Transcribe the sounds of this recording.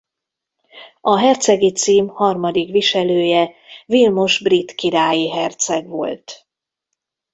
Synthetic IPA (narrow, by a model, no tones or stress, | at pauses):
ɒɦɛrt̪sɛɡit̪siːmhɒrmɒd̪ikʋiʃɛløːjɛ | vilmo̞ʒbrit̪kiɾaːjiɦɛrt̪sɛɡʋo̞̰lt̪